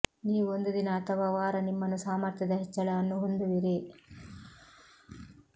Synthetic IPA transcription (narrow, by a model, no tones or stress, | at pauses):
niːʋuond̪ud̪inɐːt̪ʰɐʋaʋaːɾɐnimːɐnːusaːmɐɾt̪jɐd̪ɐɦɛt͡ʃːɐɭɐɐnːuɦond̪uʋiɾi